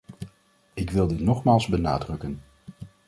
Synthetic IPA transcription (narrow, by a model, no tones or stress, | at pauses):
ɪkʋɪlˠdɪtnɔχmaːlˠzbəna̰ːdrɵkən